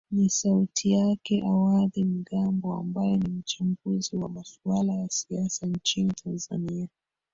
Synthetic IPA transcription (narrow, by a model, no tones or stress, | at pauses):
nisautʰijakɛʔawaðim̩ɡambɔa̰mbajɛnim̩t͡ʃambuziwamasualajasiasant͡ʃinitʰanza̰nia